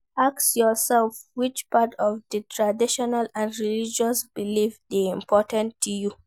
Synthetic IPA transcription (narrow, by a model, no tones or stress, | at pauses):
aksjɔsɛlfwit͡ʃpatʰɔvdətʰɹadiʃɔnalãndɹilid͡ʒɔsb̥ilifdiĩmpʰɔtãntʰːuju